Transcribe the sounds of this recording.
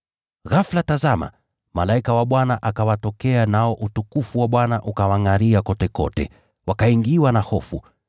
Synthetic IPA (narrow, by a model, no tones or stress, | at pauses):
ɣaflatazama̰ | malaikawaɓwanaʔakawatɔkɛanaɔʔutukufuwaɓwanaʔukawaŋaɾiakɔtɛkɔ̰tɛ̰ | wakaiŋɡiwanahɔfṵ